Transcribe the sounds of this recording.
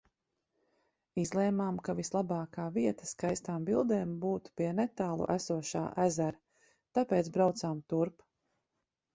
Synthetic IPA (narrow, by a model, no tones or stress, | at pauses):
izlˠɛːmaːmkavislˠabɑːkaːviɛt̪ḁskajst̪aːmbilˠd̪ɛːmbuːt̪u̥piɛnɛt̪aːlˠṵʔæsuɔʃa̰ːʔæzæɾ | t̪apeːt̪sbɾawt̪saːmt̪uɾp